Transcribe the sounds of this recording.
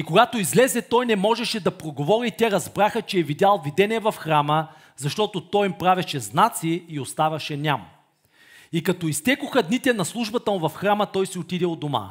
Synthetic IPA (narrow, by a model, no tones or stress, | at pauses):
ikoɡat̪oizlɛzɛt̪ɔjnɛmɔʒɛʃɛd̪ɐpɾoɡovɔɾit̪ʲɛɾɐzbɾaxət͡ʃɛːvid̪ʲalˠvid̪ɛnʲiɛvɐfxɾamə | zɐʃt̪ɔt̪ot̪ɔjimpɾavɛʃɛznat̪siːost̪avɐʃɛnʲamɐ | ikɐt̪ɔist̪ɛkʊxəd̪nit̪ɛnɐslˠuʒbɐt̪əmʊvɐfxɾamət̪ɔjsiot̪id̪ɛod̪oma̰